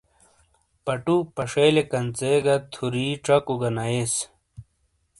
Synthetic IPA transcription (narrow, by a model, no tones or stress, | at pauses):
pɐʈupɐʂeːlekɐnt͡seːɡɐt̪ʰuɾiːʈ͡ʂɐkuɡɐnɐes